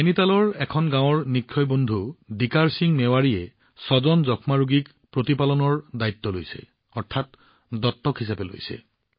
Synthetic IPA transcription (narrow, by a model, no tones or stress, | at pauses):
kenitalɔɹɛkʰɔnɡãw̃ɔɹnikʰːɔjbondʱudikaɹsiŋmɛwaɹiɛ | sɔzɔnzɔkʰmaɹuɡik | pɹotipalɔnɔɹdajtːɔlojsɛ̰ | ɔɹtʰat̚ | dɔtːɔkɦisapɛlo̰jsɛ̰